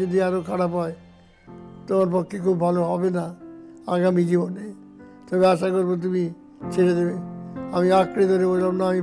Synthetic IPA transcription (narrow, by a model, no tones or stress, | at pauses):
od̪iaɾokʰaɽapae | t̪omaɾpɔkʰːekʰubbʱaloɦɔbena | aɡamid͡ʑibonej | t̪ɔbeaʃakoɾbot̪̬umi | t͡ʃʰeɾed̪ebeamiakɾid̪ʱoɾebolamnaami